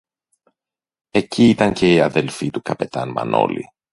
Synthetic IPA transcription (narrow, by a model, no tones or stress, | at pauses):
e̞ciit̪ɐŋce̞iɐðe̞lfit̪ukɐpe̞t̪ɐnmɐ̰no̞̰lḭ